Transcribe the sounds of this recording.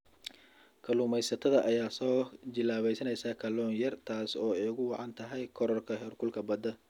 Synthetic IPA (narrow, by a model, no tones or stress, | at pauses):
kʰɐlʊːmɛjsɐt̪ʰɐðɐʔɐjaːsɔːt͡ʃɪlaːβɛjsɐnɛjsaːkʰɐlɔːnjɐrt̪ʰaːsɔːɛjʊɣʊwɑʕɑnt̪ʰɐɦɛjkʰɔɾɔrkʰɐɦɛːrkʰʊlkʰɐbɐd̪ɐ